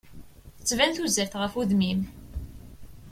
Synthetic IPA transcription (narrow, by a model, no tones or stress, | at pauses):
ət͡sːvænθuzæɾθʁəfuðmim